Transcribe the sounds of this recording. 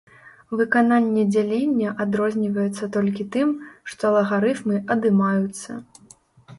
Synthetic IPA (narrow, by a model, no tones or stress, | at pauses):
vɨkananʲːɛd͡zʲalʲinʲːɐʔad̪ɾɔzʲnʲivɐjut̪sːɐt̪ɔlʲkʲit̪ɨmʂt̪ɔlˠɐɣaɾɨt̪mɨʔɐd̪ɨmajut̪sːɐ̰